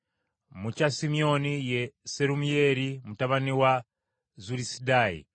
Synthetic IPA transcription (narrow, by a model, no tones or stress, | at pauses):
mut͡ʃasimiɔnijɛsɛɾumijɛɾimutaβaniwa | zuɾisidaḭ